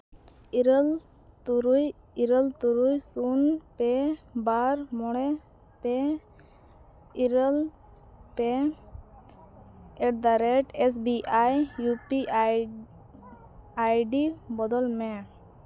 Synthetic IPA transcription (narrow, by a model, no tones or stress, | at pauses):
iɾəl | t̪uɾuj | iɾəlt̪uɾujsunpɛbaɾmɔɽ̃ɛ | pɛ | iɾəl | pɛ | ɛʈ̚d̪aɾɛʈɛs̬biʔajːupi | ajɖibɔd̪ɔlmɛ